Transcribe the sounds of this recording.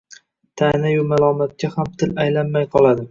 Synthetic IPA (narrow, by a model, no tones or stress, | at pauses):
t̪ʰanajʊmalˠɒmat̪̚kʲʰahamt̪ʰɪlajlanmajqʰɒlˠad̪ɪ